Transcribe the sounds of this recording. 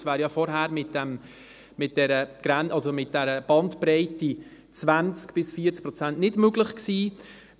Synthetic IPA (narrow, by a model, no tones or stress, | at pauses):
svæːɾjɑfɔɾɦæːɾmɪtd̥æm | mɪt̚d̥ɛɾəɡ̥ɾænʔɑlsomɪt̚d̥ɛɾəb̥ɑntpɾɛɪti | t͡svænt͡skb̥ɪsfiːət͡sk̚pɾɔt͡sæntnɪdmøɡlɪχksiː